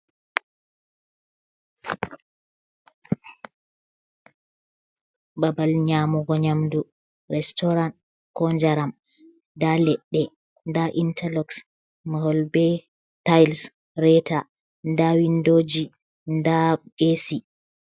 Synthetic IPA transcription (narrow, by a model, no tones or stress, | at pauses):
babalɲaːmuɡɔɲamdu | ɾɛstɔɾan | kɔnd͡ʒaɾam | dalɛɗːɛ | ndaʔintʰalɔks | mahɔlbɛ | tajls | ɾɛta | ndawindoːd͡ʒi | ndabesi